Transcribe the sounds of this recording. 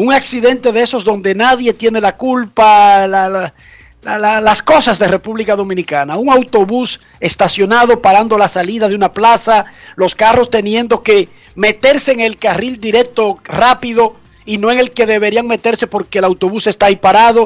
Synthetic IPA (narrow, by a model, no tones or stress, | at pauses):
uŋaksiðe̞nt̪e̞ðe̞so̞zðo̞nd̪e̞naðje̞t̪je̞ne̞lakulpalal | lalalasko̞sazðere̞puβlikaðo̞mĩnikanauŋawt̪o̞βus | e̞st̪asjo̞naðo̞paɾand̪o̞lasaliðaðeunaplasalo̞skaro̞st̪e̞njẽ̞nd̪o̞ke̞ | me̞t̪e̞ɾse̞ːŋelkarild̪iɾe̞k̚t̪o̞rapiðo̞ | ino̞eŋe̞lke̞ðe̞βe̞ɾiaŋme̞t̪e̞ɾse̞po̞ɾke̞ːlawt̪o̞βuse̞st̪ajpaɾaðo̞